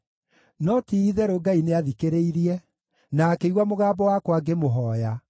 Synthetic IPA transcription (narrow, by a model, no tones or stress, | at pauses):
nɔtiːðɛɾoɡaineaðikeɾeiɾiɛ | naːkeiɣwamoɣaːbɔwakwaɡemoɦɔːja